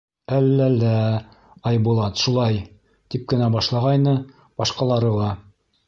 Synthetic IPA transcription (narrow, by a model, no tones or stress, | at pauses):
ælːælːæ | ɑjbulˠɑt̪ʃulˠɑj | t̪ip̚kɘ̆næbɑʃlˠɑʁɑjnɤ | bɑʃqɑlˠɑɾɤlˠɑ